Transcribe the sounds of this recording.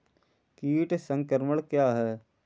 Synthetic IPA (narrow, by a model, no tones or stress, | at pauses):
kiːʈsə̃ŋkəɾməɽkjaːɦɛː